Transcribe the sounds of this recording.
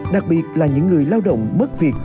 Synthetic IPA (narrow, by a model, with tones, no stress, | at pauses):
ɗa˨˩k̚ɓi˨˩ət̚laː˨˩ɲɨ̰˧˥ŋːɨ˨˩əjlaː˧wɗə̰˧˨wŋ͡mmə˦˥t̚vi˨˩ət̚